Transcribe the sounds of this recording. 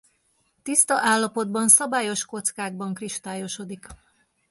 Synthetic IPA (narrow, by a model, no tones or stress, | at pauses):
t̪ist̪ɒʔaːlːɒpo̞d̪bɒnsɒbaːjo̞ʃko̞t̪skaːɡ̚bɒŋkriʃt̪aːjo̞ʃo̞d̪ik